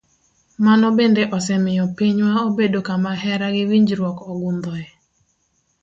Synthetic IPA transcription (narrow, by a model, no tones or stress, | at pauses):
manɔbendeʔɔsɛmɪjɔpiɲwaobedokamaɦɛɾaɡɪwiɲd͡ʒɾwɔkɔɡʊnd̪ɔɛ